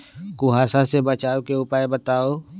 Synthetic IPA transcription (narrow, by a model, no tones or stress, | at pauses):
kʊɦaːsasebət͡ʃaːwkeʊpaebət̪aːoː